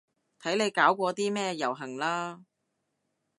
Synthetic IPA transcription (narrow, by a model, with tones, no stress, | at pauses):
t̪ʰɐ˨˥jne˨˧jkaː˨˥wkʷɔː˧t̪iː˥mɛː˥jɐ˨˩wɦɐ˨˩ŋlaː˥